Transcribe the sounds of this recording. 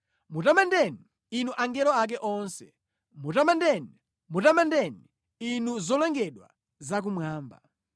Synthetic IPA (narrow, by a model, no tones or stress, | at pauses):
mutamandɛni | inuʔaŋɡɛɾɔak̬ɛʔɔnsɛ̥̰ | mutamandɛni | mutamandɛni | inuzɔlɛŋɡɛɗwa̰ | zak̬umwaːmba̰